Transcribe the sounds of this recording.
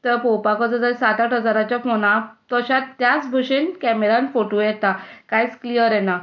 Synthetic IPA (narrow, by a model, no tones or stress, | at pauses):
t̪əpɔwpakɔt͡səd͡zəɾisat̪aʈʰəd͡zaɾat͡ɕafonat̪ɔɕatt̪ːjat͡sbʱəɕenkɛmeɾãnfoʈojɛt̪akajt͡sklijəɾjɛna